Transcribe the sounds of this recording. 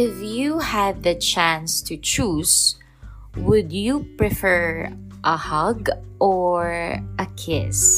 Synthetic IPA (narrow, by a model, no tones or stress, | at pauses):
ɪfjuhæd̪̚ɐt͡ʃæ̃nst̪ut͡ʃus | wʊd̪jupɹɛfɛɹ | ʔɐhʌɡʔɔɹʔɐkʰɪ̰s